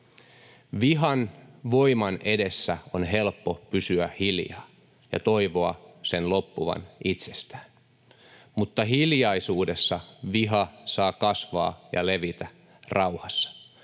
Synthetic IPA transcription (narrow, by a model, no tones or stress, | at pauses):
ʋiɦɑnʋo̞imɑnʔe̞de̞sːæonɦe̞lpːo̞pysyæhiljɑ̰ː | jɑ̰t̪o̞iʋo̞ɑse̞nlo̞pːuʋɑ̰nit̪se̞st̪æ̥ːn | mut̪ːɑɦiljɑisuːde̞sːɑʋiɦɑsɑːkɑsʋɑ̰ːjɑ̰le̞ʋit̪æ | rɑwhɑsːɑ̥